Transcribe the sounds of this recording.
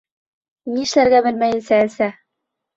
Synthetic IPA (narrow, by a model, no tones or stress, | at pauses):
niɘ̆ʃlæɾɡæbɘ̆lmæjɘ̆nsæælsæ